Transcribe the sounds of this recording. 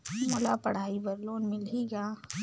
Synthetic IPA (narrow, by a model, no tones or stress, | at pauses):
mʊlapɐɽ̤aːibɐɾloːnmɪliɡaː